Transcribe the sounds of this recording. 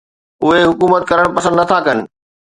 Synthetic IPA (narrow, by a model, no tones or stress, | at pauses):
ʊɦeɦʊkuːmət̪̚kɐɾəɽ̃pɐsə̃nd̪nɐt̪ʰakɐnɪ̆